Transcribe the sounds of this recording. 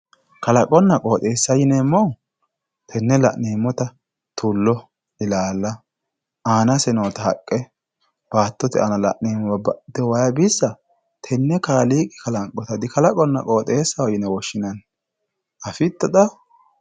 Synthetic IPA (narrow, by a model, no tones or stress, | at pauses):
kɐlɐkʼɔnːɐkʼo̞ːt̪ʼe̞ːsːɐjɪnɛmːɔ | t̪ʰɛnːɛlɐ̰ʔneːmːɔt̪ɐ | t̪ulːɔ | ɪlaːlːɐ | aːnɐsɛnoːt̪ɐhɐkʼːɛ | b̥aːt̪ːɔt̪ɛʔɐnɐlɐ̰ʔniːmːɔɐbɐd̪̥ɛwɐjɐbɪsːɐ | t̪ʰɛnːɛkaːliːkʼɪ̥kɐlɐŋkʼːɔt̪ɐd̪ɪkɐlɐkʼɔnːɐ̰kʼoːt̪ʼe̞ːsːɐwɐjɪnɛwɔʃːɪnɐn | ɐfɪt̪ːɔd̪ɐ